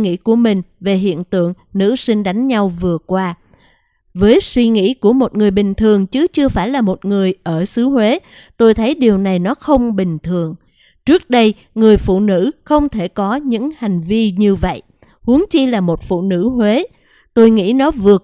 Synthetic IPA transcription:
ŋḭ˧˥ku˧˩əmï˨˩ŋ̟ve˨˩ɦḭ˧˨ənt̪ɨ̰˧˨əŋ | nɨ̰˧˥si˧ŋ̟ɗa˨˦jŋ̟ɲa˧wvɨ˨˩əkwaː˧ | vəː˨˦jswi˧ŋḭ˧˥ku˧˩əmo˨˩t̚ŋɨ˨˩əjɓï˨˩ŋ̟t̪ʰɨ˨˩əŋt͡ɕɨ˨˦t͡ɕɨ˧əfaː˧˩jlaː˨˩mo˨˩t̚ŋɨ˨˩əjʔəː˧˩sɨ˨˦hwe˨˦ | t̪o˧jt̪ʰə˨˦jɗi˨˩əwna˨˩jnɔ˨˦xə˧wŋ͡mɓï˨˩ŋ̟t̪ʰɨ˨˩əŋ | t͡ɕɨ˦˥ək̚ɗə˧j | ŋɨ˨˩əjfṵ˧˨nɨ̰˧˥xə˧wŋ͡mt̪ʰe˧˩kɔ˨˦ɲɨ̰˧˥ŋha˨˩jŋ̟vi˧ɲɨ˧və̰˧˨jʔ | hu˨˦əŋt͡ɕi˧laː˨˩mo˨˩t̚fṵ˧˨nɨ̰˧˥hwe˨˦ | t̪o˧jŋḭ˧˥nɔ˨˦vɨ˨˩ə

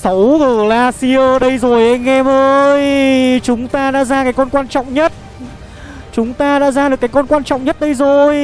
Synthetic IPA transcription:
sə˨˦wɣə˨˩laː˧si˧ə˧ɗə˧jzo˨˩jʔa˧jŋ̟ʔɛ˧mʔəː˧jt͡ɕʊ˨˦ŋ͡mt̪aː˧ɗa̰ː˧˥zaː˧kaː˨˦jkɔ˧nkwaː˧nt͡ɕɔ̰˧˨wŋ͡mɲə˦˥t̚ | t͡ɕʊ˨˦ŋ͡mt̪aː˧ɗa̰ː˧˥zaː˧ɗɨ˨˩kaː˨˦jkɔ˧nkwaː˧nt͡ɕɔ̰˧˨wŋ͡mɲə˦˥t̚ɗə˧jzo˨˩j

